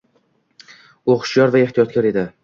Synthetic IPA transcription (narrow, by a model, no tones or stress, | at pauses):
oqʰʃjɒɾvae̞ht̪ʰijɒt̪̚kʲaɾe̞d̪ɪ